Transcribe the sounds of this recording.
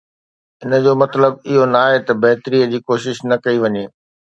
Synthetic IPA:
ɪnə̆d͡ʑoːmɐt̪ləb̚ɪɦonaːɦet̪ɐbɐɦt̪ɾiːəd͡ʑiːkoːʃɪʃnɐkɐiʋɐɲeː

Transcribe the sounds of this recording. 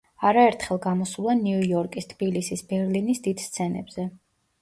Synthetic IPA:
aɾaɛɾt̪ʰχɛlˠɡamɔsulˠaniujɔɾkʼist̪ʰb̥ilisisbɛɾlinisd̪id̪̥st̪sʰɛnɛ̰bz̥ɛ

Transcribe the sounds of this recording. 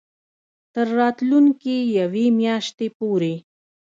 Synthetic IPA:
t̪əɾːɑːt̪luŋkijawemjɑʃt̪epoɾe

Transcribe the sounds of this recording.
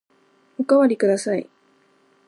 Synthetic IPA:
ʊkawaɾikɯɾasaj

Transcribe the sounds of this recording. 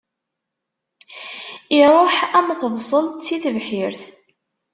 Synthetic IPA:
iɾˤoħæmθəvsˤəlt͡sːiθəvħiɾθ

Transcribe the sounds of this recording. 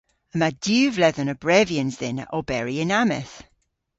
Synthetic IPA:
əmad̥jʉːvlɛðənəbɹɛviənzðɪnə̰ʔɔbɛɹiɪnamɪ̰θ

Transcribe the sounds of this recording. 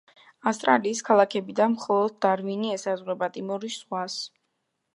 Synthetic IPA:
afst̪ʼɾaliːskʰalˠakʰɛbid̪anmχɔlˠɔd̪̚ːaɾviniɛsazʁwɛpʼat̪ʼimɔɾisʁwas

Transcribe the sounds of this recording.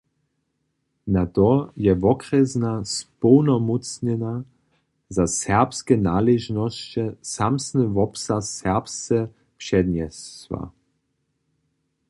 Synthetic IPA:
nat̪ɔjɛvɔkɾɛznaspɔwnɔmut͡sɲɛna | zasɛʁpskɛnaːlɛʒnɔst͡ɕɛsamsnɨvɔpsasːɛʁpst͡sɛ | pʂɛd̪ɲɛst̪va̰

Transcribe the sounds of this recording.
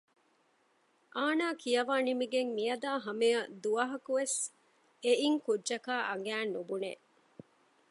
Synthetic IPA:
ʔaːnaːkijɐʋaːnimiɡeŋmijɐd̪aːɦɐmejɐd̪uɐɦɐkuʋes | eʔiŋkudːʒɐkaːʔɐŋɡæːnːubunḛ

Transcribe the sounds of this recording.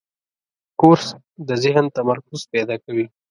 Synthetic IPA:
koɾs | d̪əzɪɦnt̪amaɾkʊzpɛd̪ɑkawi

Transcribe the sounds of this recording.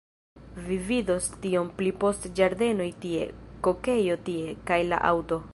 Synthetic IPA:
vivido̞stio̞mplipo̞std͡ʒaɾde̞no̞jtie̞̰ko̞ke̞jo̞tie̞kajla̰ʔa̰wto̞

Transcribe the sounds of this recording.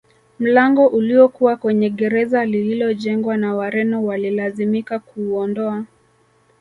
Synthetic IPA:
m̩laŋɡɔʔuliɔkuwakwɛɲɛɠɛɾɛzalililɔʄɛŋɡwanawaɾɛnɔwalilazimikakuːɔndɔa

